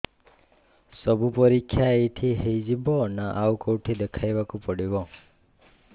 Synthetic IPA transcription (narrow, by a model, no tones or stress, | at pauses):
səbʱupəɾikʰːjaet̪ʰiɦejd͡ʒibɔnaʔawkɔwʈʰid̪ekʰajʋakupəɽibɔ